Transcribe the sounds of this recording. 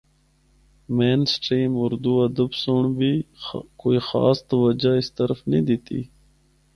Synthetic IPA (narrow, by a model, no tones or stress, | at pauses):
mensʈɾiːmʊɾd̪uɐd̪əbsoɳbikoːixɑ̰ːst̪wəd͡ʒaɪst̪əɾfnid̪it̪ḭ